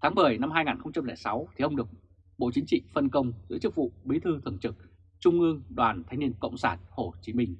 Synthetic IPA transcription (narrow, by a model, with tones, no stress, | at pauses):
t̪ʰaː˨˦ɓə˨˩jna˧mhaː˧jŋaː˨˩nxə˧wŋ͡mt͡ɕa˧mlɛː˧˩sa˨˦wt̪ʰi˨˩ʔə˧wŋ͡mɗɨ˨˩ək̚ | ɓo̰˧˨t͡ɕi˨˦ŋ̟t͡ɕḭ˧˨fə˧nkə˧wŋ͡mzɨ̰˧˥t͡ɕɨ˦˥k̚vṵ˧˨ɓi˨˦t̪ʰɨ˧t̪ʰə˨˧˩nt͡ɕɨ˨˩k̚ | t͡ɕʊ˧ŋ͡mʔɨ˧əŋɗwaː˨˩nt̪ʰa˧jŋni˧ənkə̰˧˨wŋ͡msaː˧˩nho˧˨˩t͡ɕi˨˦mï˧ŋ̟